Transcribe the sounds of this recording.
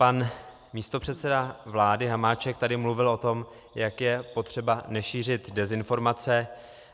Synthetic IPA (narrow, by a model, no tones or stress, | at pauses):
pan | miːst̪o̞pr̝̥ɛt̪sɛdavlaːdɪɦamaːt͡ʃɛkt̪adɪmluvɪlʔo̞t̪o̞m | jakjɛpo̞t̪r̝̥ɛbanɛʃiːr̝ɪt̪dɛzɪnfo̞ɾmat͡sɛ